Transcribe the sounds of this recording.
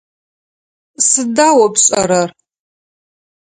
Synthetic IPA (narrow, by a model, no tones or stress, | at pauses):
sɨdaːwɐpɕʼɐ̰ɾɐr